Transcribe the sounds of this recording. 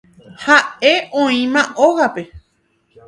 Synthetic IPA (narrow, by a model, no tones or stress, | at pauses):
hae̞õĩmãʔoɣape̞